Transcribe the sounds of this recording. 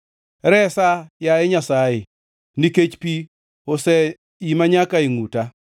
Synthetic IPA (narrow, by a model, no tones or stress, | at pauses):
ɾɛsajaɪɲasajɪ | niket͡ʃpi | osɛ | imaɲakaɪŋuta